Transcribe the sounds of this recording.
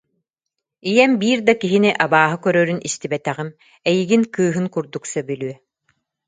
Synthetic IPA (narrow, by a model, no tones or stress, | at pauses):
ijɛmbiːɾd̪akiɦiniʔabaːɦɯkœɾœːɾynʔist̪ibɛt̪ɛʁim | ɛjiɡinkɯːɦɯnkuɾd̪uksabylyœ